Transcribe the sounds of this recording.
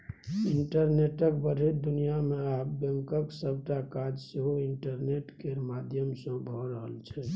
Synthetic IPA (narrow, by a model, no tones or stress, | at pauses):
iɳʈəɾneʈəkbəɾ̤ʱet̪d̪unijameap̚beŋkəksəb̚ʱʈakad͡ʒseɦoiɳʈəɾneʈkeɾmad̪ʱjəmsə̃bʱɔɾəɦəlt͡ʃʰɛ